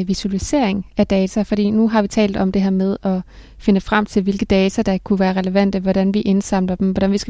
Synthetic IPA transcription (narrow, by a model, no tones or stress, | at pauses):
ʋisuælise̝ɐ̰e̝ŋæd̥ɛːt͡sʰæfɒ̽ɾ̥ḭːnuɦɑ̈ʋit͡sʰɛ̰ːld̥̩ˠɒ̽md̥e̝ɦæɐ̰með̞ˠɒ̽ | fe̝nəfʁɑm̰t͡sʰe̝lʋe̝lɡ̥əd̥ɛːt͡sʰæd̥ɑ̈kʰuʋæːɐʁɛleʋæn̰d̥əʋɒɾ̥ænʋiʔe̝nsɑ̈m̰lɐd̥emʋɒɾænʋisɡ̥